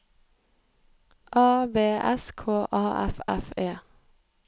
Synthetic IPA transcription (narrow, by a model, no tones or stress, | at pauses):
ʔɑːbeːʔɛ̰skʰoːʔɑːʔɛ̰fɛ̰feː